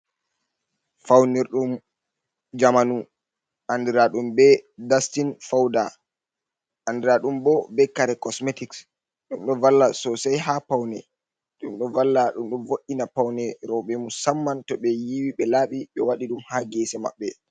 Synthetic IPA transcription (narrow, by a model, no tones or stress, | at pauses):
fawniɾɗum | d͡ʒamanu | ʔandiɾaɗumbɛdastinfawda | ʔandiɾaɗumbɔbɛkaɾɛkɔsmetiks | ɗumɗɔvalːasɔsajɦapawnɛ̰ | ɗumɗɔvalːaɗumɗumvoɗinapawnɛɾɔɓɛmusamːantɔɓɛjiwiɓɛlaːɓiɓɛwaɗiɗumhaɡɛsɛma̰ɓːɛ